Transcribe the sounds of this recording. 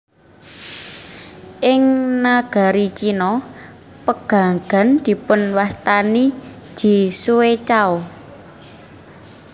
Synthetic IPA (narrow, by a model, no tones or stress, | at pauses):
ʔɪŋnaɡ̥a̤ɾit͡ʃinɔ | pəɡ̥a̤ŋɡ̥a̤nd̪̥i̤pʊnwast̪ani | d̪̥i̤suwet͡ʃaɔ